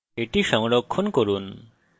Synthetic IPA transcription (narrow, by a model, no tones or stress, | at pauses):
eʈiʃɔŋlɔkʰːonkoɾun